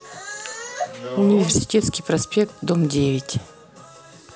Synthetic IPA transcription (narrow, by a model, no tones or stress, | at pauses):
ʊnʲɪvʲɪrsʲɪ̥tʲet̪skʲijpɾɐspʲekt̪̚d̪omdʲevʲɪtʲ